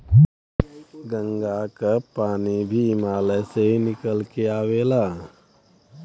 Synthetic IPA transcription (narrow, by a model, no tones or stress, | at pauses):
ɡə̃ŋɡakapaːnibʱimaːleseɦinɪkəlkeaːweːla